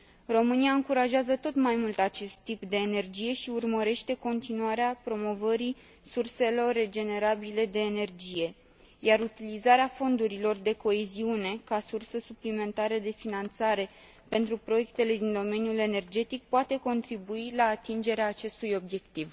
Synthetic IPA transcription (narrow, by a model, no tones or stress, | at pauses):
ro̞mɨniaɨŋkuɾaʒeazət̪o̞t̪majmult̪at͡ʃe̞st̪ːipd̪e̞ːne̞rd͡ʒije̞ʃiurməɾe̞ʃt̪e̞ko̞nt̪inuaɾeapɾo̞mo̞vəɾi | surse̞lo̞rːe̞d͡ʒe̞ne̞ɾabile̞d̪e̞ːne̞rd͡ʒije̞ | jaɾut̪ilizaɾeafo̞nd̪uɾilo̞rd̪e̞ko̞eziune̞kasursəsuplime̞nt̪aɾəd̪e̞finant̪saɾe̞ | pe̞nt̪ɾupɾo̞je̞k̚t̪e̞le̞d̪ind̪o̞me̞njule̞ne̞rd͡ʒe̞t̪ik̚poat̪e̞ko̞nt̪ɾibuilaːt̪ind͡ʒe̞ɾeaːt͡ʃe̞st̪ujo̞bje̞kt̪iv